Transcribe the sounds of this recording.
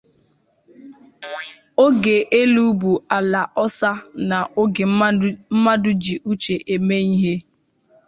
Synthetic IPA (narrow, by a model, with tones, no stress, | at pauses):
o˦ɡe˨ʔe˦lu˦bu˨a˨la˨ʔɔ˦sa˦na˨ʔo˦ɡe˨m˦m̩˦ma˦dʊ˦d͡ʒi˨ʔu˦t͡ʃe˨ʔe˨me˦i˦ɦe˦